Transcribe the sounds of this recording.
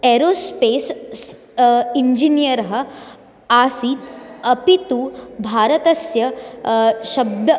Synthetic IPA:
eːɾoːspeːs | iɲd͡ʒinijɐɾɐɦɐ̆ | aːsiːt̪ɐpit̪ubʱaːɾɐt̪ɐsjɐ | ʃɐb̚d̪ʱɐ

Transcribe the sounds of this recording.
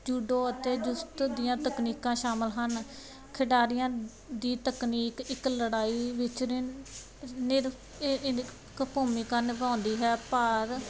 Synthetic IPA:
d͡ʒuːɖoːət̪eːd͡ʒʊst̪d̪ɪjãːt̪əkniːkãːʃaːməlɦən | kʰɪɖaːɾɪjãː | d̪iːt̪əkniːkɪkləɽaːiːʋɪt͡ʃː | nɪɾ | kəpoːmiːkənpãːnd̪iːɦɛːpəɾ

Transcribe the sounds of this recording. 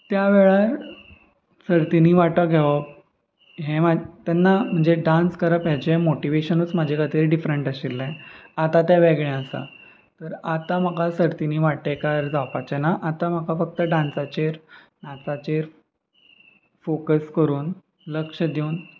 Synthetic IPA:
t̪jaʋeɭaɾ | səɾt̪iniʋaʈəɡʱɛʋə | ɦẽmat̪ɛnːam̤əɳd͡zeɖãnskəɾəpəɦd͡ʑemoʈiʋeɕənut͡smad͡ʑʱekʰat̪iːɾɖifɾəɳʈəɕilːẽat̪at̪jaʋeɡɭẽəsa̰ | t̪əɾat̪aməkasəɾt̪iniːʋaʈekaɾd͡zawpat͡ɕenaʔat̪aməkafək̚t̪əɖãnsat͡ɕeɾ | nãt͡sat͡ɕeɾ | fokəskəɾuːn | ləkʂəd̪iun

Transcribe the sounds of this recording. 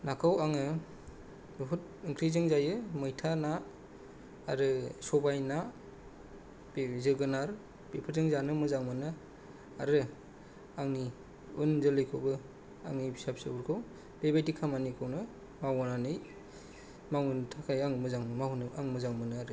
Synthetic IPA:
nakʰawaŋɯ | bipʰɯt̚ | iŋkʰɾizɯŋzajɯmɯjtʰana | ɾɯsɔbajna | zɯɡɯnaɾ | bepʰɯzɯŋzanɯmɯzaŋmɯnɯ | aɾɯ | aŋni | ɯnzɯlɯjkʰobɯ | a̰ŋnibisap̚sɯ̰uɾkʰɯw | debajtikʰamanikʰɯwnɯ | mawananɯj | mawɯntʰakʰajaŋmɯzaŋmanɯaŋmɯzaŋmɯnɯaɾɯ

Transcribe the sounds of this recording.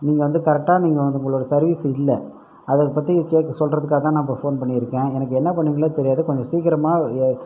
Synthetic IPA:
niːŋɡɐʋɐnd̪ɯkɐɾɛk̚ʈːaːniːŋɡɐʋɐnd̪ɯʊŋɡɐɭoːɽɐsɐɾʋiːsɪlːɛ | ɐðɐpːɐt̪ːiɐkeːkːɐsɔlrɐðɯkːaːɐt̪ãːnaːpɐfoːnpɐɳːɪɪɾɯkːẽːɛnɐk̬ːɯɛnːɐp̬ɐɳːiŋɡɐɭɐt̪ɛɾɪjaːðɯkɔɲd͡ʒɔ̃siːkɪɾɐmaː

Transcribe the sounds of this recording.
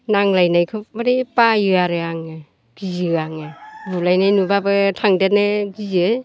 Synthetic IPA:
naŋlajnajkʰɯbaɾepajɯaɾɯaŋɯ | ɡ̥izɯaŋɯbulajnajnubabɯtʰaŋdetnɯɡizɯ

